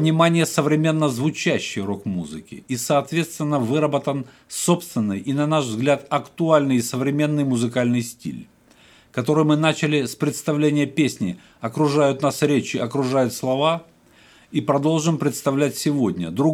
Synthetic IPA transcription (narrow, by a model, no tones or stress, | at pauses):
vnʲɪmanʲɪjəsəvɾʲɪmʲe̞nːəzvʊt͡ɕæɕːɪjro̞kmuzɨ̰kʲɪ̰isɐːt̪vʲe̞t̪st̪vʲɪnːəvɨɾəbət̪ən | sopst̪vʲɪnːɨjʔinɐnaʂvzɡlʲat̪ɐkt̪ʊalʲnɨjsəvɾʲɪmʲe̞nːɨjmʊzɨkalʲnɨjsʲtʲḭlʲ | kɐt̪o̞ɾɨjmɨnat͡ɕɪlʲɪspɾʲɪt̪st̪ɐvlʲenʲɪjəpʲesʲnʲɪ | ɐkɾʊʐajʊt̪nasɾʲet͡ɕɪɐkɾʊʐajʊt̪slˠɐva | ipɾɐd̪o̞lˠʐɨmpɾʲɪt̪st̪ɐvlʲætʲsʲɪvo̞dʲnʲə̰d̪ɾʊ